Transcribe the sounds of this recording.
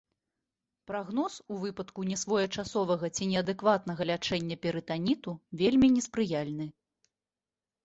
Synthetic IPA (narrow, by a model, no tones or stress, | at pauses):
pɾaɣn̪ɔsuvɨpɐt̪kunʲɛsvɔjɐt͡ʂasɔvɐɣɐt͡sʲinʲɛɐd̪ɛkvat̪nɐɣɐlʲat͡ʂɛnʲːɐpʲɛɾɨt̪anʲit̪uvʲelʲmʲinʲɛspɾɨjalʲnɨ